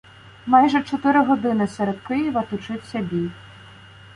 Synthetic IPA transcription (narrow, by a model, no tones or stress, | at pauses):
mɑjʒɛt͡ʃɔt̪ɪɾɪɦɔd̪ɪnɪsɛɾɛd̪̚kɪjiʋɐt̪ʊt͡ʃɪwʲsʲɐbʲij